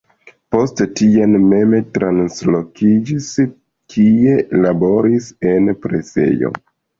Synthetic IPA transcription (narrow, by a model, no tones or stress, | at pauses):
po̞sttianme̞metɾanslo̞kid͡ʒis | kʰie̞labo̞ɾise̞npɾe̞se̞̰jo̞̰